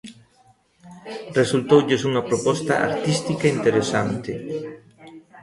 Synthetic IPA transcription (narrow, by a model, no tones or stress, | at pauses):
result̪ɔd͡ʒezuːnapɾopɔst̪a̰ʔa̰rt̪ist̪ikaint̪eɾesant̪ɪ